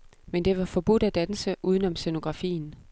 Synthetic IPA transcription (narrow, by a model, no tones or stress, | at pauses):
mend̥e̝ʋɑ̈fɒ̽b̥ud̥æd̥ænsəʔuːð̞ˠən̩ɒ̽mseno̝ɡ̥ʁɑ̈fḭːn̩